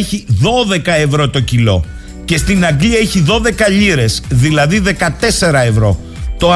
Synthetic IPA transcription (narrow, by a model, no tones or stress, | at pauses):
eçiðo̞ðe̞kɐe̞vɾo̞t̪o̞cilo̞̰ | ce̞st̪inɐɡliɐeçiðo̞ðe̞kɐʎiɾe̞sðilɐðiðe̞kɐt̪e̞se̞ɾɐe̞vɾo̞ | t̪o̞